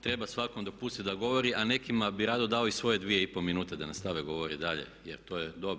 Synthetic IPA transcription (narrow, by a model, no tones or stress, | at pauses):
t̪ɾe̞basʋako̞md̪opust̪it̪d̪aɡo̞ʋoɾiʔane̞kimabiɾad̪od̪aoisʋo̞je̞d̪ʋieipominuːt̪ed̪anast̪aʋeɡoʋoɾid̪aʎḛjḛɾt̪ojed̪o̞bɾ